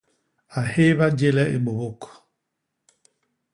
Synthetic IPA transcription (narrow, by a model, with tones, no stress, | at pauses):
a˨he˦βa˦d͡ʒe˦lɛ˦ʔḛ˨ɓo˨βo˦˨kɔ̥˨